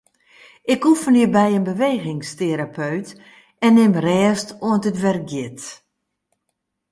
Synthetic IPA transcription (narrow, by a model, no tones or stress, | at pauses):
ɪkufənibɛjənbəʋeːɣɪŋsteɾapʰøɥt | ɛnːɪmrɛːstoəntətʋɛrk̚ɡjɪt